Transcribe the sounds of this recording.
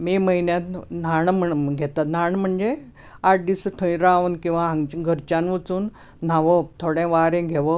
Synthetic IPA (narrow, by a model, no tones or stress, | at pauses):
miməinjãt̪n̤aɳm̤əɳɡʱet̪at̪n̤aɳm̤əɳd͡ʑe | aʈd̪isət̪ʰəĩɾaʋnkĩw̃ʋaɦãŋɡt͡ɕɡʱəɾt͡ɕanʋət͡suːn | n̤aʋət̪ʰoɽẽʋaɾẽɡʱeʋə